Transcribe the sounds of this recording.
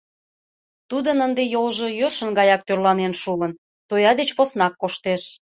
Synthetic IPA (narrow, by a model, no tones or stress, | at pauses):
t̪ud̪ənənd̪ejolʒojørʃə̆nɡɑjɑk̚t̪ørlɑnenʃuən | t̪ojɑd̪et͡ɕposnɑkːoʃt̪eʃ